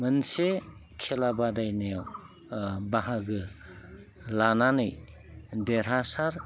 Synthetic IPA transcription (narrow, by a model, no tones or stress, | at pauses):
mɯnse | kʰelabadajnejaw | baɦaɡɯ | lananɯj | deɾasaɾ